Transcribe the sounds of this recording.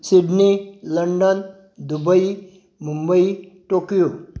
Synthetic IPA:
siɖniləɳɖən | d̪ubəi | mumbəiʈokijo

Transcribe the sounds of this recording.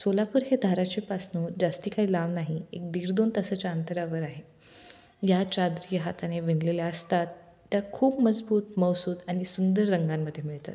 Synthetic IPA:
solapuɾɦed̪ʱaɾat͡ɕepasnud͡zast̪iːkaɦiːlaʋnaɦiek̚d̪iːɾd̪ont̪əsət͡ɕaənt̪əɾaʋəɾaɦe | jat͡ɕad̪ɾijəɦat̪aneʋinleleəst̪at̪ː | jakʰuːpməd͡zbuːt̪məwsuːt̪aɽ̃isund̪əɾːəŋɡamːəd̪ʱjemiɭt̪a̰t̪

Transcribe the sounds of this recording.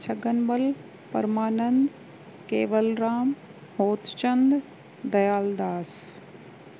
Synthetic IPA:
t͡ɕʰɐɡənbɐl | pɐ̰ɾmaːnə̃nd̪ | keːʋəlɾaːm | hoːt̪t͡ɕɐ̃nd̪ | d̪ɐjaːld̪aːs

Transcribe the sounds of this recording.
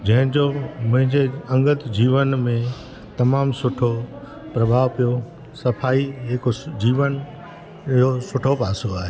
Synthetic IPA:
d͡ʑɐ̃ɦɪ̃ɲd͡ʑomʊ̃ɦɪ̃ɲd͡ʑeɐ̃ŋɡət̪d͡ʑiːʋənmẽ | t̪ɐmaːmsʊʈʰo | pɾɐbʱaːʋpijo | sɐpʰaːiɦekod͡ʑiːʋən | josʊʈʰopaːsoaːɦeː

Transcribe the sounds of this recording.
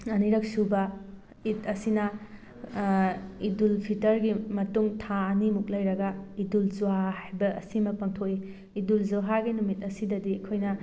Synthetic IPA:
ɐniɾɐk̚subɐ | itɐsinɐ | idulpʰitɐɾɡimɐtuŋtʰaɐnimuk̚lɐjɾɐɡɐidulzuahajbɐɐ̰simɐpɐŋtʰoiː | dulzuɦaɡinumit̚ɐsidɐdiɐkʰojnɐ

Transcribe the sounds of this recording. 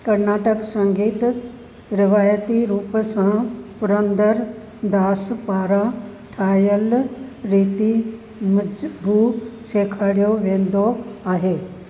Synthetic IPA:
kɐɾnaːʈəksɐ̃ŋɡiːt̪ | ɾɪʋaːjət̪iɾuːpsãpʊɾə̃nd̪əɾ | d̪aːspaːɾã | ʈʰaːjəlɾiːt̪i | mbʱuːseːkʰaːɽijoʋẽːnd̪oaːɦeː

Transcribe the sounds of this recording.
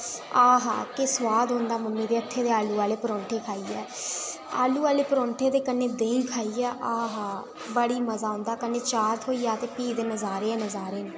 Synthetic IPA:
aːɦa̰ːkɪswaːd̪ɦõːnd̪aːməmːiːd̪eːət̪ʰːeːd̪eːaːluːaːleːpəɾɔ̃ːɳʈʰeːkʰaːiːɛː | a̰ːluːaːleːpɾɔ̃ːɳʈʰeːd̪eːkəneːd̪eːĩkʰaːiːɛːʔaːɦaː | bəɽiːməzaːʊ̃ːnd̪aːkənːeːt͡ʃaːɾt̪ɦoːiːaːt̪eːpiːd̪eːnəzaːɾeːɛːnəzaːɾeːnaː

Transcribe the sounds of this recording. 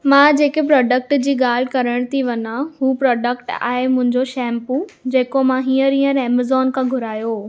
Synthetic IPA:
mãːd͡ʑeːkepɾɔːɖək̚ʈd͡ʑiːɠaːl̤ɪkɐɾəɽ̃t̪ʰiʋɐnahuːpɾɔːɖəkʈa̰ːɦemʊ̃ɦɪ̃ɲd͡ʑoʃɛːmpud͡ʑeːkomãɦiːəɾĩːə̃ɾɛːməzɔːnkʰãɡʱʊɾaːjo

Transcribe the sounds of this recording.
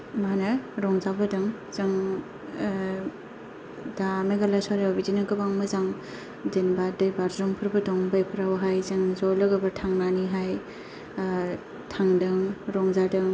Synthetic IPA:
manɐɾɔŋzabɯdɯŋ | z̥ɯŋ | dameɡalaswaɾewbidinaɡɯbaŋmɯzaŋ | denbadɯjbaɾzɔŋpʰɯɾbɯdɔŋbajpʰɯɾawɦajzɯŋzɔlɯɡɯbɐtʰaŋnaniɦaj | tʰaŋdɯŋɾɔŋzadɯŋ

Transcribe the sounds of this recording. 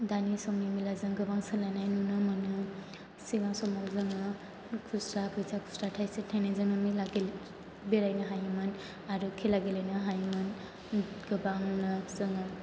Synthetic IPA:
danisɔmmimilazɯŋɡɯbaŋsɯlanajnunɯmɯnɯ | siɡaŋsɔmaŋzɯŋɯ | kʰusɾabʰɯjzʰakʰu̥sɾatʰajsetʰajnazɯŋɯmilaɡel | beɾajnɯɦajmɯn | aɾɯkʰelaɡelajnɯɦajmɯn | ɡɯbaŋnɯzɯŋɯ

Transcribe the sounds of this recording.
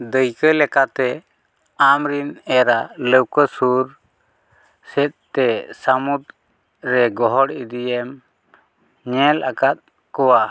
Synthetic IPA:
d̪əjkəlɛkat̪ɛ | amɾinɛɾaləwkəsuɾ | sɛt̪̚t̪ɛsəmud̪ | ɾɛɡɔɦɔɽid̪ijɛm | ɲɛlakat̪̚ | kɔwa

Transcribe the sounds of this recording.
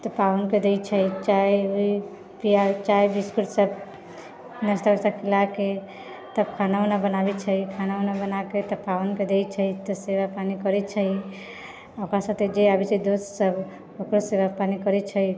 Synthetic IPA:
t̪ɔpawʊnked̪ejt͡ʃʰəit͡ʃajui | piat͡ʃajbiskuʈsəb | nəɾst̪absakʰilake | t̪əb̚kʰananabənabɛt͡ʃʰəikʰananabənaket̪ɔpawnked̪ejt͡ʃʰəit̪ɔseβapanikəɾɛt͡ʃʰəi | okɾasət̪ed͡ʒeabit͡ʃʰəd̪ossəb | okɾoseβapanikəɾɛt͡ʃʰəj

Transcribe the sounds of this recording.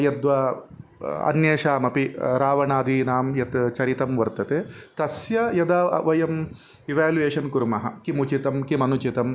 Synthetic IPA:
jɐd̪ʋɐ | ɐ̰njeːʂaːmɐpiɾaːʋɐnaːd̪ʱiːnaːmjɐt̪t͡ʃɐɾit̪ɐmʋɐɾt̪ɐt̪eːt̪ɐsjɐjɐd̪aːʋɐjɐm | iʋaːlueːʃɐnkuɾmɐɦɐ̰̆kimut͡ʃit̪ɐmkimɐnut͡ʃit̪ɐm

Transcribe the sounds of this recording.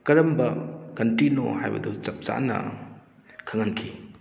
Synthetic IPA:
kɐɾɐmbɐkɐntino̰hajbɐ̰dut͡ʃɐp̚t͡ʃa̰nɐ̰ | kʰaŋankʰi

